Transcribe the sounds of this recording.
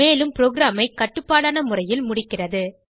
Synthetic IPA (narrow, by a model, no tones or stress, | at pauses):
eːlɯmpɪɾoːɡɾaːmɐɪkɐʈːɯpːaːɽaːnɐmʊrɐjɪlmʊɽɪkːɪrɐðɯ